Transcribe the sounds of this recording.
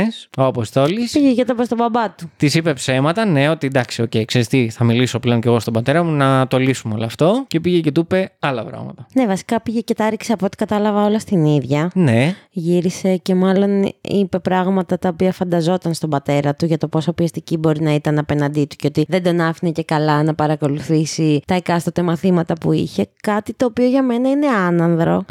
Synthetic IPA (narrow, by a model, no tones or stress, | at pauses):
sopost̪o̞lispiʝecɐt̪upest̪o̞bɐbɐt̪ut̪isipe̞psemɐt̪ɐne̞o̞t̪id̪ɐksiocejkseɾist̪iθɐmiliso̞pleoɲce̞ɣo̞st̪obɐt̪e̞ɾɐmunɐt̪olisumeoloːft̪o̞ce̞piʝecɐt̪upe̞ɐlɐpɾɐ̰ɣmɐ̰t̪ɐne̞vɐsi̥kɐpiʝece̞t̪ɐɐɾcsɐpot̪i̥kɐt̪ɐlɐvɐo̞lɐst̪iniðʝɐne̞ʝiɾise̞ce̞mɐlo̞nḭpe̞pɾɐɣmɐt̪ɐt̪ɐopiɐfɐnd̪ɐzo̞t̪ɐnst̪o̞bɐt̪e̞ɾɐt̪uʝɐt̪o̞po̞sɐopiɐst̪icibo̞ɾinɐit̪ɐnɐpe̞nɐnd̪it̪u̥ceo̞t̪iðe̞d̪o̞nɐfinece̞kɐlɐnɐpɐɾɐko̞luθisit̪ɐekɐst̪ot̪emɐθimɐt̪ɐpuiçe̞kɐt̪it̪o̞ːpio̞ʝɐme̞nɐine̞ɐnɐnðɾo̞̰